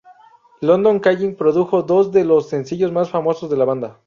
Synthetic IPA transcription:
lo̞nd̪o̞ŋkaʝiŋpɾo̞ðuxo̞ðo̞zðe̞lo̞sːe̞nsiʝo̞zmasfamo̞so̞zðe̞laβand̪a

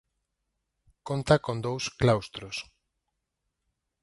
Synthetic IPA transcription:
kont̪akõnd̪owsklawst̪ɾos

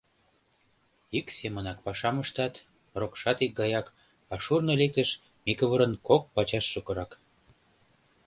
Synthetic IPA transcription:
iksemənɑk̚pɑʃɑməʃt̪ɑt̪ | rokʃɑt̪ik̚ɡɑjɑk | ɑʃurnəlek̚t̪ə̆ʃ | mikəβəɾə̆nkok̚pɑt͡ɕɑʃːukɤ̆ɾɑk

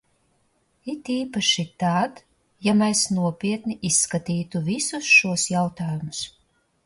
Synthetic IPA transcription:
it̪iːpaʃit̪ad̪ | jamɛsnuɔpʲiɛt̪niʔisːkat̪iːt̪uvisusʃuɔsjawt̪aːjumʊs

